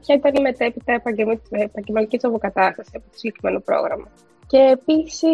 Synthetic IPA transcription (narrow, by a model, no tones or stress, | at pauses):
pçɐit̪ɐnime̞t̪e̞pit̪ɐepɐemiepɐɲɟelmɐnicit̪ɾopokɐt̪ɐst̪ɐsiɐpot̪osiɟekɾime̞nopɾo̰ɣɾɐ̰mɐ | ce̞ːpisi